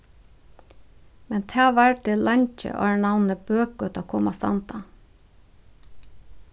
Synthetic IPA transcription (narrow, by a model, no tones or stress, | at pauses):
mɛnt̪ʰæːʋæɹʈelɑɲc͡çə̰ʔo̰ːɳɑnəbøːk̚ɡʉt̪ɑkʰʊmɑsɑ̰nt̪ɑ